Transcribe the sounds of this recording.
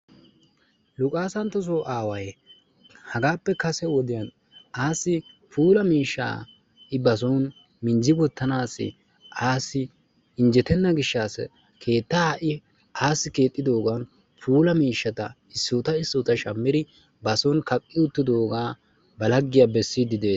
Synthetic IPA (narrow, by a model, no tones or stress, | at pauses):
lʊkʼaːsɐnt̪ːɔs̬ɔʔaːwɐj | hɐɡaːpːɛkɐsɛwɔd̪ɪjɐn | aːsːɪpʰuːlɐmiːʃːa̰ː | ʔɪbɐs̬ɔn | mɪnd͡ʒɪɡɔt̪ːɐnaːsːɪ̰ | ʔaːsːɪ | ɪnd͡ʒɛt̪ɛnːɐɡɪʃːaːs | kʰe̞ːt̪ːaʔɪ | ʔaːsːɪke̞ːt̪ʼːɪd̪o̞ːɡɐn | pʰuːlɐmiːʃːɐt̪ɐ | ɪsːʊt̪ɐɪsːʊːt̪ɐʃɐmːɪd̪ɪ | bɐsɔnkɐkʼːɪʊt̪ːɪd̪oːɡaː | bɐlɐɡːɪjabɛsːid̪ɪd̪eː